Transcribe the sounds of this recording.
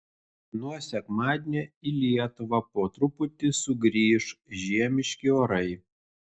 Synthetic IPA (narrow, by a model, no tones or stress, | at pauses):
nuɔsʲɛkmɑːd̪ʲenʲɛilʲiɛt̪ʊʋɐpoːt̪ɾʊpʊt̪ʲɪsʊɡɾʲiːʃʒʲiɛmʲɪʃʲkʲɪoːɾɐɪ